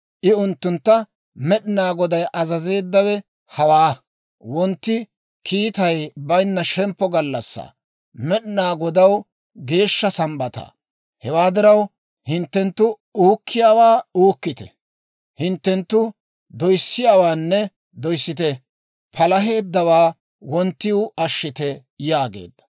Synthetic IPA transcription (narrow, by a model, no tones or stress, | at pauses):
ʔɪʊnt̪ːʊnt̪ːɐ | mɛɗɪnaːɡɔd̪ɐjʔɐzɐze̞ːd̪ːɐwɛ | hɐwaː | wɔnt̪ːɪ | kʰiːt̪ɐjbɐjnːɐʃɛmpːɔɡɐlːɐsːa̰ː | mɛɗɪnaːɡɔd̪ɐw | ɡe̞ːʃːɐsɐmbɐt̪a̰ː | hɛwaːd̪ɪɾɐw | hɪnt̪ːɛnt̪ːʊ | uːkʰːɪjaːwaːuːkːɪt̪ɛ̰ | hɪnt̪ːɛnt̪ːʊ | d̪ɔjsːɪjaːwaːnːɛ | d̪ɔjsːɪt̪̬ɛ | pʰɐlɐɦe̞ːd̪ːɐwaː | wɔnt̪ːɪʊɐʃːɪt̪ɛ | jaːɡḛːd̪ːɐ̥